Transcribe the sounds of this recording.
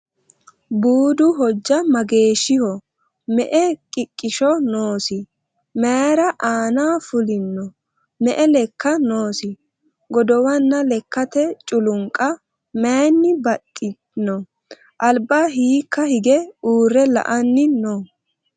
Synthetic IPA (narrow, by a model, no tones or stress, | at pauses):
buːd̪ʊɦɔd͡ʒːɐmɐɡe̞ːʃɪhɔ | mɛʔɛkʼɪkʼːɪʃɔnoːsɪ | meɾɐʔaːnaːfʊlɪnːɔ | mɛʔɛlɛkʰːɐnoːsɪ | ɡɔd̪ɔwɐnːɐlɛkːɐt̪ɛt͡ʃʼʊlʊŋkʼɐ | mɛːnːɪbɐtʼːɪ | nɔ | ʔɐlbaːɦiːkʰːɐhɪɡɛuːrːɛlɐ̰ʔɐnːɪnɔ